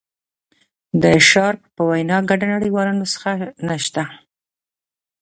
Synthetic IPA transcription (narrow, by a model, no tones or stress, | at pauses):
d̪əʃɑɾppəwajnɑɡaɖanaɽiwɑlɑnosə̥xanaʃt̪a